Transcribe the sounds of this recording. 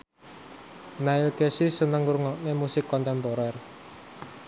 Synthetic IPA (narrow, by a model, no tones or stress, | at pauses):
naɪlkɛsisənəŋurŋɔʔnemusɪkːɔnt̪ɛmpɔɾɛr